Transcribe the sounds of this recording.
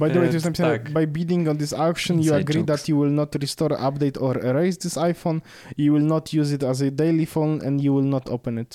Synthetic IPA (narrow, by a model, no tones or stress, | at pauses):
bajd̪əwejtusɛ̃pisɛ̃bajbid̪ĩŋɡɔ̃nd̪ɪsakʃɔ̃njuaɡɾid̪at̪juwɪlnɔt̪ɾist̪ɔɾ̰ʔapd̪ejt̪ʰɔɾɛɾejzd̪ɪsajfõn | juwɪlnɔt̪ʰjuzɪt̪azəd̪ejlifõnɛ̰̃ndjuwɪlnɔt̪ʰo̰pɛ̃nɪt̪